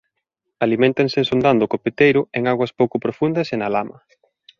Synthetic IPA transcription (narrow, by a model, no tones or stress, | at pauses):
alimẽnt̪aŋsensond̪and̪ʊkopet̪ejɾʊeŋaɣwɐspowkʊpɾofund̪ɐsenalamɐ